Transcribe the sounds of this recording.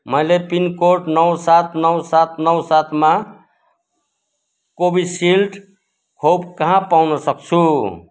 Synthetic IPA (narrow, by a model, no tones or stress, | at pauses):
məjlepinkoʈnʌwsat̪ʰnʌwsat̪ʰnʌwsat̪ʰma | kobʱisilʈ | kʰop̚kəɦãpawnʌsʌk̚t͡ʃʰu